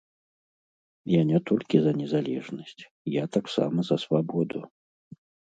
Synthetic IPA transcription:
janʲɛt̪ɔlʲkʲizɐnʲɛzalʲɛʐnɐsʲt͡sʲ | jat̪aksa̰mɐzɐsvabɔd̪ṵ

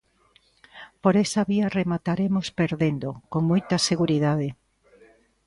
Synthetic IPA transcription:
poɾesɐβiɐremat̪aɾemospeɾðend̪okoŋmojt̪ɐseɣuɾiðaðe

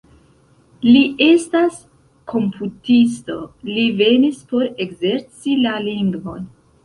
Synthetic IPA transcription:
liʔe̞stas | kʰo̞mpʰutisto̞live̞nispo̞ɾe̞ɡze̞ɾt͡silaliŋɡvo̞̰n

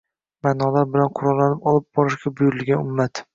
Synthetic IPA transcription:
manɒlaɾbɪlanqʰʊɾɒlːanɪpɒlˠɪp̚bɒɾɪʃɡʲabʊjʊɾɪlɡʲanʊmːat̪

